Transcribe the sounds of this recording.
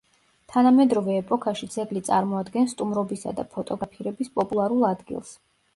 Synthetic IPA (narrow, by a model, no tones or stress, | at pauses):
t̪ʰanamɛd̪ɾɔvɛːpʼɔkʰaʃid̪z̥ʰɛɡlit̪sʼaɾmɔad̪ɡɛnst̪ʼumɾɔbisa̰d̪a̰pʰɔt̪ʼɔɡapʰiɾɛbispʼɔpʼulˠaɾulˠad̪ɡḭlˠs